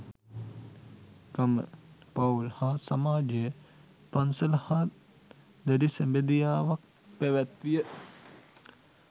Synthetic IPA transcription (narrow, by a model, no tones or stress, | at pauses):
ɡamə̰paulhaːsamaːd͡ʒejə | pansəlɐhat̪ | d̪eɾisəmbed̪ijaːʋak̚ | peʋæt̪ʋijə